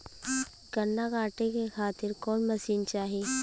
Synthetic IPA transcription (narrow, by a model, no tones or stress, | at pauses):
ɡɐnːakaːʈekexʰaːt̪ɪɾkɔːnmɐsiːnt͡ʃaːɦeː